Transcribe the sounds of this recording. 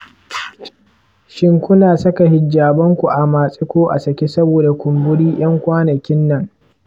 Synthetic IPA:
ʃɪ˦ŋkʷʊ˦naː˨sɐ˦ka˨ɦɪ˨d͡ʒːaː˨bɐ˦ŋkʷu˨ʔa˨maː˨sʼɪ˦kʷoː˦ʔa̰˨sɐ˨kʲe˦sɐ˦boː˨da˨kʷʊ˨mbʊ˦ɽiː˦j̰ɐ˦ŋkʷaː˦nɐ˨kʲɪ˦nːɐ˨ŋ

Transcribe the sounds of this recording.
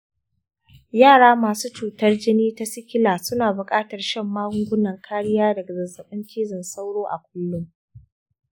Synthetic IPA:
jaː˦˨ɽaː˦maː˨suː˦t͡ʃuː˨tɐ˦rd͡ʒɪ˦niː˦ta˦sɪ˦kʲɪ˦laː˨sʊ˦naː˨bʊ˨kʼaː˦tɐ˨rʃɛ˦˨mːaː˦ɾʊ˦ŋɡʷʊ˦nɐ˨ŋkʰaː˦ɽɪ˦jaː˦dɐ˨ɡa˨zɐ˨zɐ˨ɓɐ˦nt͡ʃiː˦zɐ˨nsa˦wɽoː˦ʔa̰˨kʷʊ˦lːʊ˦m

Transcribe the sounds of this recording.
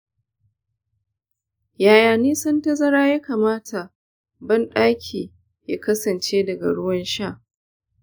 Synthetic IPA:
jaː˨jaː˨niː˦sɐ˦ntɐ˦zɐ˦ɽaː˦ja˦kaː˨maː˦tʰa˨ | bɐ˦nɗaː˦kʲʰiː˨ | jaː˦kɐ˦sɐ˨nt͡ʃeː˦dɐ˨ɡa̰˨ɽʊ˦wɐ˦nʃaː˦˨

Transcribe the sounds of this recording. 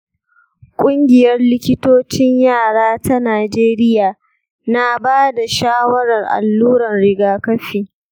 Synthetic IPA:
kʷʼʊ˦ŋɡʲɪ˨jɐ˦rlɪ˦kʲɪ˦toː˦t͡ʃɪ˦ɲjaː˦˨ɽaː˦ta˦naː˨d͡ʒeː˦ɾɪ˦jaː˨ | na˦˨baː˦da˨ʃaː˦wɐ˦ɾɐ˨rʔa̰˨lːuː˦ɾɐ˨nɽɪ˨ɡaː˦kɐ˦ɸiː˨

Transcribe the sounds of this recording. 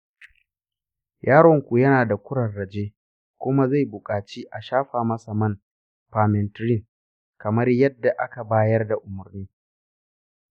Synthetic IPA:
jaː˦ɽɔ˦˨ŋkʷu˨jɐ˦naː˨da˨kʷʊ˦ɽɐ˨rɽɐ˨d͡ʒeː˦ | kʷʊ˦ma˦za˦˨jbʊ˨kʼaː˨t͡ʃiː˦ʔa˨ʃaː˦ɸaː˨mɐ˦sa˨mɐ˦n | ɸaː˨mɛ˨ntɾɪ˦˨ŋ | kɐ˨mɐ˦rjɐ˦dːa˨ʔa˦ka˨baː˦jɐ˦rda˨ʔʊ˨mʊ˨rniː˦

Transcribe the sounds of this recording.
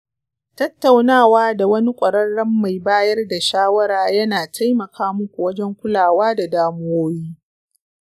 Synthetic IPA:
tɐ˦tːa˨wnaː˦˨waː˦da˨wɐ˦ni˦kʷʼɐ˨ɽɐ˦rːɐ˦mːa˨jbaː˦jɐ˦rda˨ʃaː˦wɐ˦ɾaː˨jɐ˦naː˨tʰa˦jmɐ˨kʰaː˦mʊ˦kʷu˨wɐ˦d͡ʒɛ˦ŋkʷʊ˦laː˨waː˦da˨daː˦mʊ˦woː˦jiː˦

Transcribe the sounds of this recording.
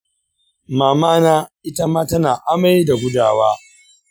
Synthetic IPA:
maː˨maː˦naː˦ʔɪ˦ta˦maː˦tɐ˦naː˨ʔa˦ma˦ji˦da˨ɡʷʊ˦daː˦˨waː˦

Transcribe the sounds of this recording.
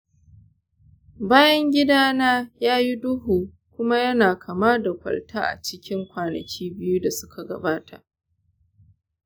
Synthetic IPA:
baː˦jɐ˦ŋɡʲɪ˦daː˦naː˦jaː˦ji˦dʊ˦ɦuː˨ | kʷʊ˦ma˦jɐ˦naː˨kʰa˨maː˦da˨kʷɐ̰˨ltʰaː˦ʔa̰˨t͡ʃɪ˦kʲʰɪ˦ŋkʷaː˨nɐ̰˨kʲʰiː˦bɪ˦ju˦da˨sʊ˦kʰa˨ɡɐ̰˨baː˦tʰa˨ʔ

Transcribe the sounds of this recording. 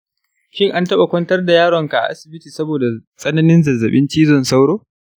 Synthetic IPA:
ʃɪ˦˨ŋʔa˦ntɐ˦ɓa˨kʷɔ˦ntɐ˦rda˨jaː˦ɽɔ˨ŋka˨ʔa̰˨ʔa̰˦sɪ˨bɪ˦tiː˨sɐ˦boː˨da˨sʼɐ˦nɐ˦nɪ˦nzɐ˨zːɐ˨ɓɪ˦nt͡ʃiː˦zɔ˦˨nsa˦wɽoː˦

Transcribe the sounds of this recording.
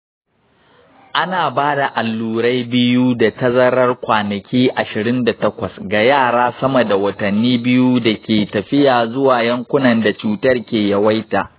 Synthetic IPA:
ʔa˦naː˨baː˦da˨ʔa˨lːuː˨ɾa˦jbɪ˦ju˦da˨tɐ˦zɐ˦ɾɐ˦rkʷaː˨nɐ˨kʲiː˦ʔa˨ʃɪ˨ɾɪ˦nda˨tɐ˦kʷɐ˨sɡa˨jaː˦˨ɽaː˦sɐ˦mɐ˨da˨wɐ˨tɐ˨nːiː˦bɪ˦ju˦da˨kʲeː˨tɐ˨ɸɪ˦jaː˨zʊ˦waː˨jɐ˦ŋkʷʊ˦nɐ˨nda˨t͡ʃuː˨tɐ˦rkʲeː˨jɐ˦wa˦jtaː˨

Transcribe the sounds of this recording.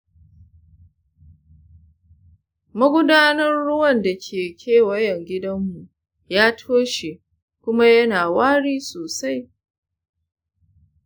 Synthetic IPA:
mɐ˦ɡʷʊ˦daː˦nɐ˦rːʊ˦wɐ˦˨nda˨kʲʰeː˨kʲʰeː˦˨wɐ˦jɛ˨ŋɡʲɪ˦dɐ˦mːu˨ʔ | jaː˦tʰoː˦ʃe˨ | kʷʊ˦ma˦jɐ˦naː˨waː˦ɽiː˦soː˨sa˦j

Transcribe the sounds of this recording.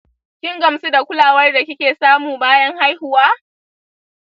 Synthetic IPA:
kʲɪ˦ŋɡɐ˨msu˦da˨kʷʊ˦laː˨wɐ˦rda˨kʲɪ˦kʲeː˨saː˦muː˨baː˦jɐ˦ŋha˦jhʊ˨waː˦

